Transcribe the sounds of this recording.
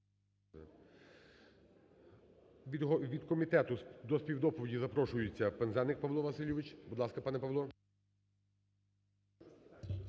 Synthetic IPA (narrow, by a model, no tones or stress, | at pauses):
ɦʋʲid̪kɔmʲit̪ɛt̪ʊd̪ɔspʲiwd̪ɔpɔʋʲidʲizɐpɾɔʃʊjet͡sʲːɐpenzɛnɪk̚pɐʋlˠɔʋɐsɪlʲɪʋɪt͡ʃbud̪lˠɑskɐpɑnɛpɐʋlˠɔ